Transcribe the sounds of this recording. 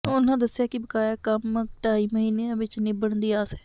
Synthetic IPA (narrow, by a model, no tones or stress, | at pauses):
ʊnãːd̪əsːjaːkibəkaːjaːkəmʈaːiməɦiːnẽʋɪt͡ʃnĩbəɳ̃d̪iaːsɛː